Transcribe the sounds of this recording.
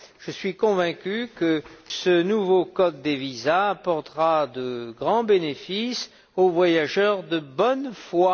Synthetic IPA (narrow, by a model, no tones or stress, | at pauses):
ʒ̥əsɥikɔ̃vɛ̃kʲykəsənuvokɔd̪̚ːevizaːpɔʁt̪ʁad̪əɡʁɑ̃benefis | ovwajaʒœʁd̪əbɔnfwa